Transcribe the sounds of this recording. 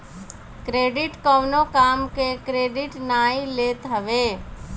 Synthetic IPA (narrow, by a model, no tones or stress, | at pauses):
kɾeːɖɪʈkɔʋnokaːmkekɾeːɖɪʈnaːileːt̪ɦəʋeː